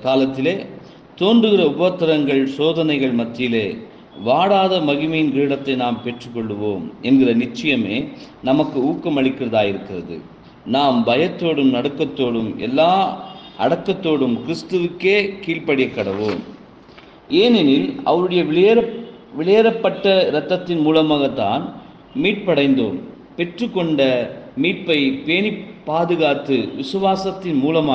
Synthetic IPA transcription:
kaːlɐt̪ːɪleː | t̪oːndrɯɣɪrɐʊbɐt̪ːɐɾɐŋɡɐɭsoːðɐnɐɪɣɐɭmɐt̪ːɪjɪleː | ʋaːɽaːðɐmɐɣɪmɐjɪnkiːɽɐt̪ːɐɪnaːmpɛʈrɯkːɔɭːɯʋoːmɛnɡɪrɐnɪt͡ʃːɐjɐmeːnɐmɐkːɯuːkːɐmɐɭɪkːɪrɐðaːjɪɾɯkːɪrɐðɯ̰ | naːmbɐjɐt̪ːoːɽɯmnɐɽɯkːɐt̪ːoːɽɯmʔɛ̰lːaːʔɐɽɐkːɐt̪ːoːɽɯmkɪɾɪst̪ɯʋɯkːeːkiːɭpɐɽɪjɐkːɐɽɐʋoːm | ʔeːnɛnɪlʔɐ̰ʋɐɾɯɽɐjɐ | ʋɪɭɐjɐɾɐpːɐʈːɐɾɐt̪ːɐt̪ːɪnmuːlɐmaːɣɐt̪ːaːn | miːʈ̚pɐɽɐɪnd̪oːm | pɛʈrɯkːɔɳɖɐmiːʈ̚pɐɪpeːnipːaːðɯɣaːt̪ːɯʋɪsɯʋaːsɐt̪ːɪnmuːlɐmaː

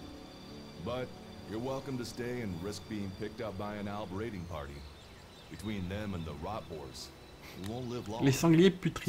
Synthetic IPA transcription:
bʌt͡ʃ | jə˞wɛlˠkɨ̃mtɨsteɪɨ̃nɹɪsk̚b̥iɪ̃ŋpʰɪk̚tʌp̚b̥aɪɨ̃nælˠbɹeɪɾɪ̃ŋpʰɑ̰ɹɾḭ | b̥ɨtʰw̥ĩnðɨ̃mə̃nðəɹɑt̚b̥ɔ̰ɹdz̥ | huwõʊ̃ntˡlɪvllesɑ̃ɡljepyt̪χi

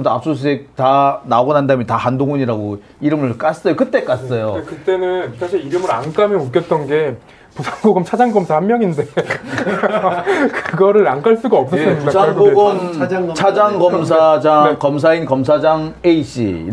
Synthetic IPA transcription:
doa̰p̚s͈os̬ʰek̚tanabʌnɦandamjʌntahandoŋuɲiɾaɡo | iɾɯmɯɭk͈as͈ʌjokɯt͈e̞k͈as͈ʌjokɯt͈e̞nɯnsʰaɕʰiɾiɾɯmɯɾank͈amjʌmok͈jʌt̚t͈ʌnɡe̞ | pusʰaŋɡoɡʌmt͡ɕʰad͡ʑaŋɡʌmsʰahammjʌŋinde̞ | kɯɯɡʌɾɯɾank͈aɭs͈uɡaʌp̚s͈ʌɯiasʰaŋɡoɡʌmt͡ɕʰad͡ʑaŋɡʌms̬ʰad͡ʑakʌms̬ʰainkʌmsʰad͡ʑaŋeiɕ͈ḭ

